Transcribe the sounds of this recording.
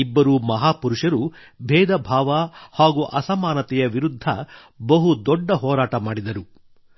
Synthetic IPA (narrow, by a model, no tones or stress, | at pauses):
ibːɐɾumɐɦaːpuɾuʂɐɾu | bʱɛːd̪ɐbʱaːʋɐhaːɡuʔɐsɐmaːnɐt̪ɛjɐʋiɾud̪ʱːɐ̰ | bɐɦud̪ɔɖːɐɦɔːɾaːʈɐmaːɽid̪ɐɾu